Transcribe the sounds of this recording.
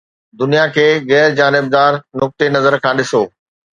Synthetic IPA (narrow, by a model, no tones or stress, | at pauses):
d̪ʊnijakʰeːɣɛːɾd͡ʑaːnɪb̚d̪aːɾnʊk̚t̪enɐzəɾkʰãːɗɪsoː